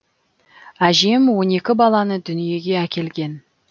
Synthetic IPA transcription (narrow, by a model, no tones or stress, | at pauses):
æʒe̞mwo̞ne̞kʲɪbɑlˠɑnəd̪ʏnije̞ɡʲe̞ækʲe̞lɡʲe̞n